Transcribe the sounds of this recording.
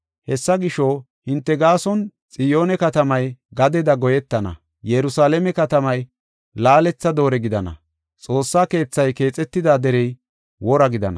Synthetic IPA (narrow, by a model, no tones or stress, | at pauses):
hɛsːɐɡɪʃo | hɪnt̪ːɛɡaːsɔnt͡sʼɪjo̞ːnɛkɐt̪ɐmɐjɡɐd̪ɛd̪ɐɡɔjɛt̪ːɐnɐ̰ | jɛɾʊsaːlɛmɛkɐt̪ɐmɐj | laːlɛt͡sːɐd̪o̞ːɾɛɡɪd̪ɐnɐ̰ | t͡sʼo̞ːsːaːke̞ːt͡sːɐjke̞ːt͡sʼɛt̪ːɪd̪aːd̪ɛɾɛj | wɔɾɐɡɪd̪ɐ̰nɐ̰